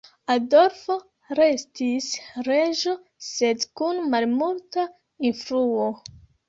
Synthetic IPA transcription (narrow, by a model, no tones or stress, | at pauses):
ado̞ɾfo | ɾe̞stisɾeʒo̞ | se̞dkunmalmulta | infɾuo